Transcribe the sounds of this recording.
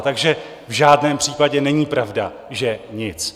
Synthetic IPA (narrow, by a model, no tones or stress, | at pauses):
t̪aɡʒɛ | vʒaːdnɛːmpr̥iːpaɟɛnɛɲiːpɾavda | ʒɛɲɪt͡s